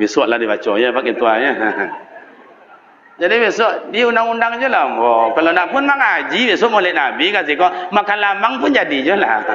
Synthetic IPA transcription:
bisuaʔladibat͡ʃɔɲabakit̪uaɲaɦaɦ | d͡ʒadibisaʔdiaundaŋundaŋd͡ʒulambɔkalonapʊnmaŋad͡ʒibesuaʔmɔlɛʔnabikasikɔmakanlamaŋpʊnd͡ʒadid͡ʒula̰

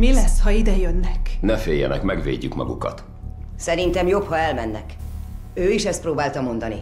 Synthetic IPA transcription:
milɛshɒid̪ɛjønːɛknɛfeːjːɛ̰nɛkmɛɡvḛːɟːykmɒ̰ɡukɒt̪ | sɛɾint̪ɛmjo̞phɒɛlmɛnːɛ̰k | øːiʃɛst̪̚proːbaːlt̪ɒmo̞nd̪ɒni

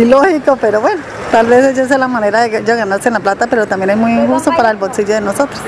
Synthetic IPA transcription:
ilohikopeɾoβweno | t̪alβeseʝes̬elamaneɾaðeɣaʝoɣanaɾsenlaplat̪apeɾot̪ambjenesmujiŋxust̪opaɾaelbolsiʝoðenosot̪ɾe̥s

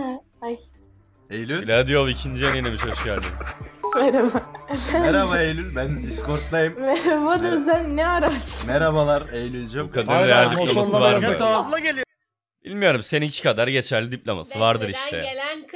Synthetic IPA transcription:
aj | ejlʲylʲad̪ijovˠicʰind͡ʒijønenʲemiʃhøʃcæɾd̪imɛɾabaɛɾabaejlʲylbænd̪iskʰo̞ɾt̪lˠajɯmmɛɾabad̪ɯɾsænnɛaɾasɯmeɾabalˠaɾejlʲylʲd͡ʒɛbukʰad̪aɾd̪ejæɾlid̪iplʲamasavaɾd̪aflˠaɟelʲi | b̥ilʲmijo̞ɾumse̞ninicʰi̥kʰad̪aɾɟe̞t͡ʃʰæɾlʲid̪iplʲoma̰sɯvaɾd̪ɯɾiʃt̪ʰɛ̰

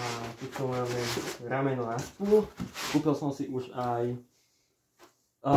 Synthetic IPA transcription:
ak̪ɛt̪ɔmaːmɛɾamɛnɔnaʃpulkuːpilsɔmsiʔuʃaj

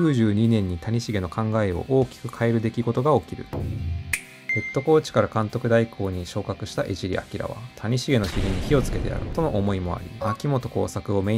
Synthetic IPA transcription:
ɨːʑɨːɲ̟inẽ̞ɲ̟ːit̪aɲ̟iɕiɡe̞no̞kãŋɡae̞o̞̰ʔo̞ːkʲi̥kɯ̟kʰae̞ɾɯ̟d̪e̞kʲiɡo̞t̪o̞ɡao̞kʲiɾɯ̟̰ | e̞t̪ːo̞ko̞ːt͡ɕi̥kaɾakãnt̪o̞kɯ̟d̪aikʰo̞ːɲ̟iɕo̞ːkakɯ̟ɕi̥t̪aʔe̞ʑiɾʲḭa̰kʲiɾa̰β̞a̰t̪ʰaɲ̟iɕiɡe̞no̞çʲiɾʲiɲ̟içio̞t͡sɨ̥ke̞t̪e̞̰a̰ɾɯ̟̰t̪o̞no̞ʔomo̞imo̞a̰ɾʲḭakʲimo̞t̪o̞ko̞̰ːsakɯ̟o̞me̞

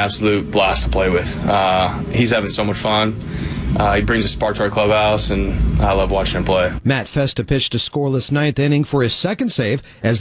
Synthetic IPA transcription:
æb̥səlut̚læstʰə̥pʰl̥eɪwɪð̥ʌ | hiz̥hævɪ̃ŋsoʊmʌt͡ʃfʌ̃n | ʔʌibɹɪ̃ŋzɨspɑɹk̚tʰɔɹkʰl̥ʌbaʊsɨ̃na̰ɪlʌvwɑt͡ʃɪ̃ŋɨ̃npʰl̥eɪmætfɛstɨpʰɪt͡ʃtɨskɔɹlˠəsnãɪ̃nθɛ̃ñɪ̃ŋfə˞ɨz̥sɛkɨ̃n̩dseɪv | ɨz

